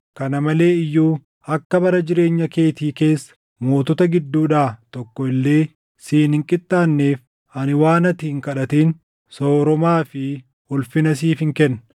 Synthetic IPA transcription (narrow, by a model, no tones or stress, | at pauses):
kɐnɐmɐle̞ːɪjːuː | ɐkːɐbɐɾɐd͡ʒɪɾe̞ːɲːɐke̞ːt̪iːke̞ːsːɐ̥ | moːt̪ɔt̪ɐɡɪd̪ːuːᶑaːt̪ɔkːɔɪlːe̞ː | siːnhɪŋkʼɪt̪ʼːaːnːeːf | ɐnɪwaːnɐt̪ɪhɪŋkʼɐᶑɐt̪iːn | soːɾɔmaːfɪ | ʊlfɪnɐs̬iːfhɪŋkɛnːɐ